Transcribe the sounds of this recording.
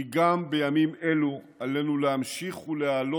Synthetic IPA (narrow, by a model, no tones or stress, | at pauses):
iɡambe̞jamime̞lu | alenulehamʃiχulealo